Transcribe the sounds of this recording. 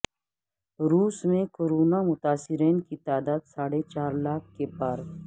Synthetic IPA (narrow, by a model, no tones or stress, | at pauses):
ɾuːsmẽkoɾoːnamʊt̪aːsɪɾeːnkit̪aːd̪aːd̪saːɽet͡ʃaːɾlaːk̚ʰkepaɾ